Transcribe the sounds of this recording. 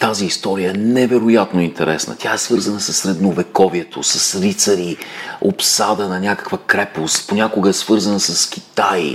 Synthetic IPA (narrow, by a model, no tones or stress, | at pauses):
t̪aziːst̪ɔɾijəɛnɛvɛɾojat̪noint̪ɛɾɛsnə̰t̪ʲʰaɛsvɤɾzənəsɐsɾɛd̪novɛkɔviɛt̪ʰo̰sɐsɾit̪səɾiopsad̪ənɐnʲakə̥kvəkɾɛpost̪ponʲakʊɡəɛsvɤɾzənəsɐskʲi̥t̪aj